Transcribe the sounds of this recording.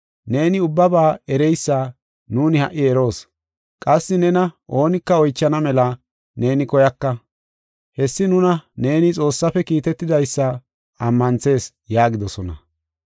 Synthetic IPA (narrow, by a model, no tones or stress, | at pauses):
ne̞ːnɪʊbːɐbaːɛɾɛjsːaː | nuːnɪhɐ̰ʔːɪɛɾo̞ːs | kʼɐsːɪnɛnɐʔo̞ːnɪkːɐɔjt͡ʃːɐnɐmɛlɐ | ne̞ːnɪkɔjɐkːɐ | hɛsːɪnʊnɐne̞ːnɪt͡sʼo̞ːsːɐfɛkiːt̪ɛt̪ːɪd̪ɐjsːɐ | ɐmːɐnt͡se̞ːs | jaːɡɪd̪ɔsɔnɐ̰